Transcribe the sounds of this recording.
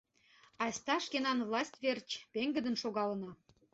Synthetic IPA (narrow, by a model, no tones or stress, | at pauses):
ɑsʲt̪ɑʃkenɑnvlˠɑsʲtʲβert͡ɕpeŋɡə̆d̪ə̆nʃoɣɑlənɑ